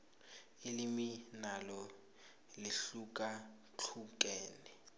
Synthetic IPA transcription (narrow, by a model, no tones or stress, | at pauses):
ɪliminalɔ | lɪɬuk̬ʼa | t͡ɬʰuk̬ʼɛːnɛ